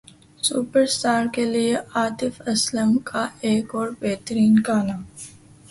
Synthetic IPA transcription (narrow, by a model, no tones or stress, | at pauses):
suːpəɾsʈaːɾkelieʔaːt̪ɪfɐsləmkʰaeːkɔːɾbeːt̪əɾiːnkaːnaː